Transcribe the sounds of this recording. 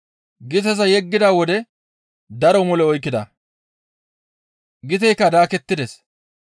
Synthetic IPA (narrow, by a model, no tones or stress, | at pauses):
ɡɪt̪̬ɐs̬ɐjɛɡːɪd̪aːwɔd̪ɛ | d̪ɐɾɔmɔlɛɔjkːɪd̪ɐ̰ | ɡɪt̪ɛjkːɐd̪aːkɛt̪ːɪd̪ɛs